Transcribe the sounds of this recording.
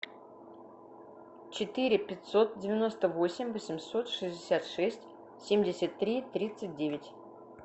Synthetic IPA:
t͡ɕɪt̪ɨɾʲɪpʲɪtʲso̞t̪̚dʲɪvʲɪno̞st̪əvosʲɪmʲvəsʲɪmʲso̞t̪ʂɨzʲdʲɪsʲat̪ʂɛsʲtʲ | sʲemʲdʲɪsʲət̪ːɾʲit̪ɾʲit̪sɨt̚ʲdʲevʲɪtʲ

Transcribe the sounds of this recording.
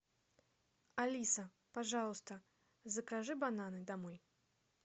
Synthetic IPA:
alʲisɐ | paʐalˠst̪ɐ | zɐkaʐɨbananɨd̪amuj

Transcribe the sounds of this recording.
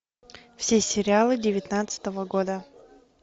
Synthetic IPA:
fsʲesʲɪɾʲɪalˠɨdʲɪvʲɪt̪nat̪sɨ̥t̪əvəɡod̪ə

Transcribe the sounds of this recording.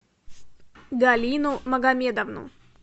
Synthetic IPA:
ɡalʲinumɐɡɐmʲed̪ɐvnṵ

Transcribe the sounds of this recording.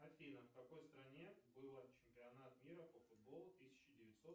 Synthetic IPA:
ɐfʲinəfkɐko̞jst̪ɾɐnʲebɨlˠət͡ɕɪmʲpʲɪɐnat̪mʲiɾəpəfʊd̪̚bo̞lˠʊt̪ɨsʲɪ̥t͡ɕɪdʲɪvʲɪt̪ʲso̞t̪

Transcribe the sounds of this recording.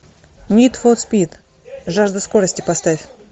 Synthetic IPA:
nʲit̪fot̪spʲit̪ | ʐaʐd̪əskoɾəsʲtʲɪpɐst̪afʲ

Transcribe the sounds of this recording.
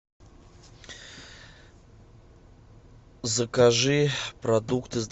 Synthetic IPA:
zəkaʐɨprad̪ukt̪ʰɨzd̪

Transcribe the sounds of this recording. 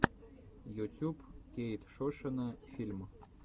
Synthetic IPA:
jut̪ʲupkʲejt̪ʃoʃənəfʲilʲm

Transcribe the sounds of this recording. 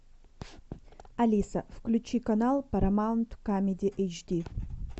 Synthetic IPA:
ɐlʲisɐfklʲʉt͡ɕikɐnalˠpɐɾɐmaʊnt̪kamʲɪdʲɪʔejt͡ʃd̪ʲi

